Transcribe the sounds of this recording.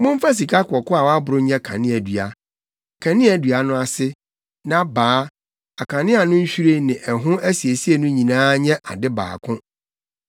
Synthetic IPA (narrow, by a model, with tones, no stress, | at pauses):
mʊ̃˦m˦fa˦s̬i˨kʰa˦kʰʊ˨ɔ˨kʊ˦a˨wa˦bʊ˨ɾʊ˦ɲɛ̃˦kʰã̰˨nɪ̃˦æ˨dɥa˨ | kʰã˨nɪ̃˦æ˨dɥa˨nʊ̃˦a˨sɪ˦ | nã˦baː˨˦ | a˨kʰã˨nɪ̃˦a˨nʊ̃˦ɲ̩˦ɕᶣu˦ɾe˦nɪ̃˨ʔɛ˨ɦʊ̃˦æ˦si˨e˨si˦e˨nʊ̃˦ɲĩ˨nãː˦ɲɛ̃˦ʔa̰˨dɪ˦ba̰ː˨kʰʊ̃˦